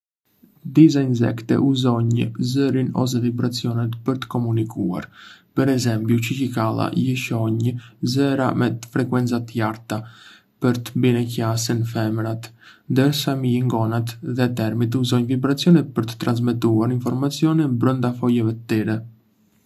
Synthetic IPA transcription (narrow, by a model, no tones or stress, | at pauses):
d̪isainzɛ̰kt̪ɛ̰ʔuzɔɲzəɾinɔ̰s̬ɛvibɾat͡siɔnɛt̪pəɾt̪ə̥kɔmunikua̰ɾpəɾɛzɛmpjut͡ʃəcikalˠa̰jiʃɔɲzɛɾamɛt̪fɾɛkwɛnt͡sat̪jaɾt̪a | pəɾt̪əbinɛkasənfɛmɾat̪nd̪əɾsaməjiŋɡɔnat̪ðɛt̪ɛɾmit̪̬uzɔɲvibɾat͡sijɔnɛt̪pəɾt̪ə̥t̪ɾans̬mɛt̪uaɾinfɔɾmat͡sjɔnɛbɾənd̪afɔjɛvɛt̪ət̪ːɛɾɛ